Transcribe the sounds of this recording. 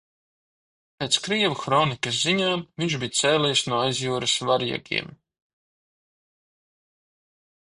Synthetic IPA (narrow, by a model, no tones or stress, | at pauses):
peːt̪skɾiɛvuxɾɔːnikɐs̬ziɲaːmviɲʲʒbijt̪seːlɛjsnuɔajzjuːɾasvaɾjɛ̰ɡʲḭɛm